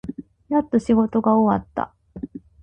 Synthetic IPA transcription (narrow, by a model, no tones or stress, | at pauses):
jat̪ːoɕiɡo̞t̪o̞ɡaoβa̰t̪ːa̰